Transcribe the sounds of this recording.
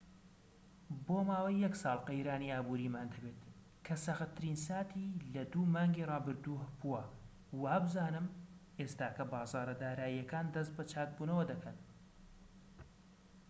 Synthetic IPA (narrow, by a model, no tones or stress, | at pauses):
boːmaːwajːɐksɑːlˠqejɾaːniːaːbuːɾiːmaːnd̪ɐbet̪ | kʰɐsɐxɨt̪ʰːɨɾiːnsaːt̪ʰiːlɐd̪uːmaːŋɡirˤɑːbɨɾd̪uːhpuwɐ | wabɨzaːnɨmʔeːst̪aːkʰɐbaːzɑːɾɐd̪aːɾaːiːɐkaːnd̪ɐst̪̚bɐt͡ʃʰaːk̪̚buːnɐwɐd̪ɐkʰɐn